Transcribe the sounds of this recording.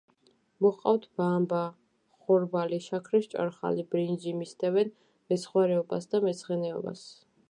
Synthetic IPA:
mɔqʼaft̪ʰbamba | χɔɾbaliʃakʰɾiʃt͡ʃʼa̰ɾχa̰libɾind͡ʒimist̪ʰɛvɛn | mɛsχwaɾɛɔbasd̪amɛsχɛnɛɔ̰ba̰s

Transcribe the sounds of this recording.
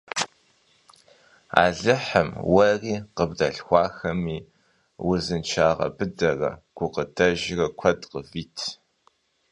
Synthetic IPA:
a̰ːɮɨħəmwɐriːqəbdɐɬxʷɑːxɐmiː | wʊzɨnt͡ʃʰaːʁɐ̰bɨdɐrɐ̰ɡ̥ʷʊqədʰɐʒɪrɐkʷʰɐdqəviːtʰ

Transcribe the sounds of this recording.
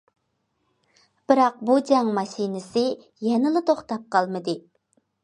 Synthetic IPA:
b̥ɪɾɑq̚bud͡ʒɛŋmɑʃinɪsɪ | jɛnɪlˠɨt̪ʰoχt̪ɑp̚qʰɑlˠmɨd̪ɨ

